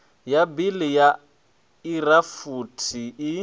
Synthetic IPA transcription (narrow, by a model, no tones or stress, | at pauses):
jabilɪja | irafutʰiɪ